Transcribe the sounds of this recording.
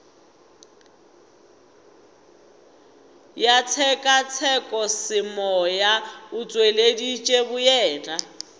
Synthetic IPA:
jat͡sʰɛkʼat͡sʰɛkʼɔsɪmɔjaʊt͡sʼweledit͡ʃʼebʊjɛːd͡ɮʼa

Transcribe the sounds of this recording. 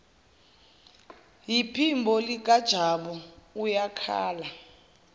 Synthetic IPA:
jipʰimbʱɔlik̬ʼad̥ʒ̥ʱaɓɔujakʰa̰ːla

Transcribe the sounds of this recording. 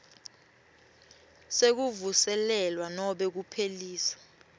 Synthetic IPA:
sek̬uvusɛlɛlwanɔɓɛk̬upʰeliːsḁ

